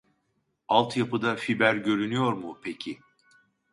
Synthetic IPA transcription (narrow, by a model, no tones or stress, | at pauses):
alˠt̪japɯd̪afibæɾɟø̞ɾynyjo̞ɾmʊpʰecʰi